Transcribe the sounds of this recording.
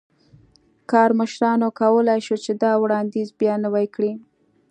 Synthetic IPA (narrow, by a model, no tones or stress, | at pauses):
kɑɾməʃɾɑnokawəlajʃut͡ʃed̪ɑwɽɑnd̪izbjɑnəwajkɽi